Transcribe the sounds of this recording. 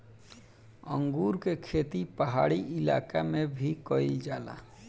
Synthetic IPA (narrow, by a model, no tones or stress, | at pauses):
ə̰ŋɡuːɾkekʰeːt̪ipəɦaːɽiʔɪla̰ːkamẽbʱikɔid͡ʒaːla̰